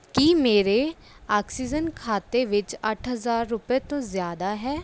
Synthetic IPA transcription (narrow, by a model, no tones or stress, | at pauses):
kiːmeːɾeː | aːksiːd͡ʒənkʰaːt̪eːʋɪt͡ʃəʈʰɦəzaːɾːʊpeːt̪õːzjaːd̪aːɦɛː